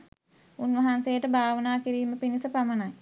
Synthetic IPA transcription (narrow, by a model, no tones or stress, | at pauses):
unʋɐɦansejəʈəbʱaːʋənaːkiɾiːməpinisəpamənaj